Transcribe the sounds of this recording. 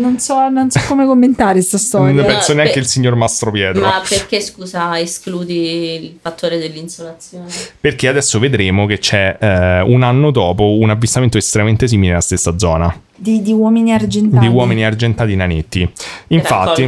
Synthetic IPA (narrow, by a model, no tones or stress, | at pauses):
nonsɔnonsɔkːomekomːent̪aːɾest̪ast̪ɔɾjnpɛnsoneaŋk̟eilsiɲːormast̪ɾopjɛːt̪ɾmoapek̟eskuːzaeskluːd̪ilfat̪ːoːɾed̪elːinsolat̪sjoːnperk̟ead̪ɛsːoved̪ɾeːmok̟et͡ʃːɛunanːod̪ɔːpounavːist̪ament̪oest̪ɾemament̪es̬iːmilenelast̪esːad̪zɔ̰ːna | d̪id̪iwɔːminiard͡ʒent̪ad̪iwɔːminiard͡ʒent̪aːt̪inanet̪ːiiɱfa̰t̪ːi